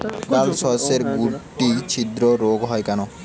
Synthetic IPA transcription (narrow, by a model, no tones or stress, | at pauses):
alsɔseɾɡuʈːit͡ɕʰid̪ɾoɾoɡɦɔjkano